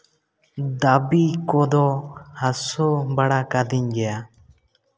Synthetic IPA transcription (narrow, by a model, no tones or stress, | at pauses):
d̪abikɔd̪ɔhasobaɽakad̪iɲd͡ʒɛja